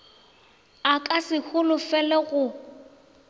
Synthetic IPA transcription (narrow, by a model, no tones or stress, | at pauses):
akʼasɪk͡xʰʊlʊfɛlɛɣʊ